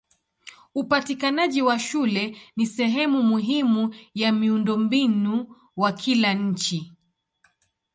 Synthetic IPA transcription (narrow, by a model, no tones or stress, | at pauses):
upatikanaʄiwaʃulɛnisɛɦɛmumuɦimujamiundɔmbinu | wakʰilaɲ̩t͡ʃi